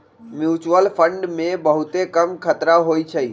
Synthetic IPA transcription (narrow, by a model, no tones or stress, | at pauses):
mjut͡ʃuəlpʰəɳɖmẽbəɦut̪ekəmkʰət̪ɾaɦojt͡ʃʰəi